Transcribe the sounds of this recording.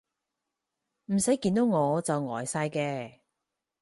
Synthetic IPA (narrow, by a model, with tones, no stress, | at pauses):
m̩˨˩sɐ˨˥jkiː˧nt̪o˨˥wŋɔː˨˧t͡sɐ˨wŋɔː˨˩jsaː˧jkɛː˧